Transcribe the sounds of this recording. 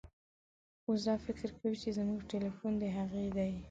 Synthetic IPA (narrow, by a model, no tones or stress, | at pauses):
os̬d̪ɑfɪkɾkawit͡ʃezmuɡʈelifund̪əɦaɣed̪aj